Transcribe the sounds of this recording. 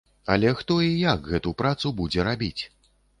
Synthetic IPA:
ɐ̰lʲɛxt̪ɔijakɣɛt̪upɾat̪subud͡zʲɛɾabʲit͡sʲ

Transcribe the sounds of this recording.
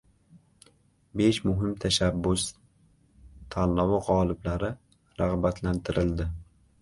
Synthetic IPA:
be̞ʃmʊɦɪmt̪ʰaʃabːʊs | t̪ʰalːɒwɪʁɒlɪblaɾɪ | ɾaʁbat̪ʰlant̪ʰɪɾɪld̪ɪ

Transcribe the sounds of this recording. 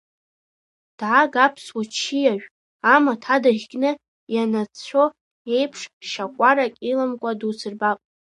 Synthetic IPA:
d̥ʕaɡapʰswat͡ʃʰijaɥᶣ | amatʰadaʁʲɡʲʼnɨ | janat͡sʰʷo | e̞jpʰʂʃakʷʼaɾakʲʼilɨmkʷʼadusʰɨrbapʼ

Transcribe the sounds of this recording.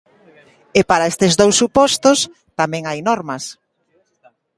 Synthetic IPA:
epaɾaest̪ɪzd̪owsːupɔst̪os | t̪amɛ̃ŋajnɔɾmɐs

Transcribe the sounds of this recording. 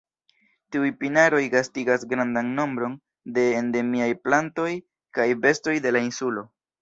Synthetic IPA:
tiujpinaɾo̞jɡastiɡasɡɾandanno̞mbɾo̞n | de̞ende̞miajplanto̞j | kajbe̞sto̞jde̞lainsulo̞

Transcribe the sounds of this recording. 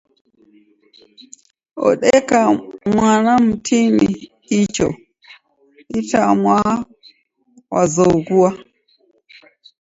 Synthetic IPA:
ʔɔ̰ɗɛkamwanamtʰimi | it͡ʃɔ̰ | ʔitamwa | wazowɡuwa

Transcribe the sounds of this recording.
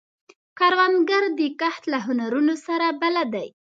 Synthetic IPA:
kɑɾwanɡaɾd̪əkaht̪laɦʊnaɾunosaɾabalad̪aj

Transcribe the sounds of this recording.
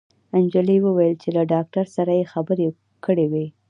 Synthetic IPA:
and͡ʒəliwəwajəlt͡ʃelaɖɑk̚ʈaɾsaɾajexabəɾe | kəɽewi

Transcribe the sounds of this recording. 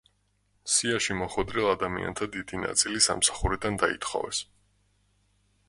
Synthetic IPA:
siaʃimɔχwɛd̪ɾɛlˠad̪amia̰nt̪ʰad̪id̪ina̰t̪sʼilisa̰msḁχuɾid̪and̪aḭt̪χɔ̰vɛs

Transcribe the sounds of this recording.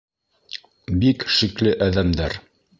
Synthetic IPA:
bikʃiklɘʔæðæmd̪æɾ

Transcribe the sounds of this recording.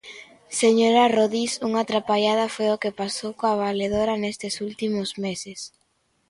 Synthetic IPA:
seɲoɾaroðisuŋat̪ɾapaʎað̞afojokepasowkoaβaleðoɾanest̪ɪsult̪imʊzmesɪs

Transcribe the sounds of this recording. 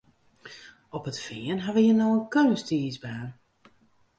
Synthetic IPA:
ɔpətfɪənɦaʋəjənɔənkøːstiːzbaːn

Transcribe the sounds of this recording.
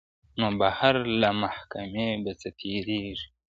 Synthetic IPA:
noːbahaɾlamahkameːbat͡sɐt̪ʰeːɾeːʐi̥

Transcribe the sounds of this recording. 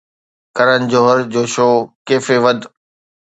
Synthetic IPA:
kɐɾənɪ̆d͡ʑoːɦəɾd͡ʑoːʃoːkeːfeʋɐd̪

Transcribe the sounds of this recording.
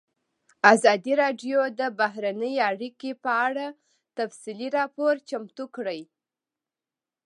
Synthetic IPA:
azɑd̪iɾɑɖjod̪əbaɦɾanəjaɽikepəaɽa | t̪afsiliɾɑpoɾt͡ʃamt̪ukɽəj

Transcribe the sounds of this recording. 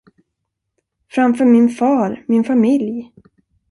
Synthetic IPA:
fɾamfœːɾmɪnfɑːɾmɪnfamɪlj

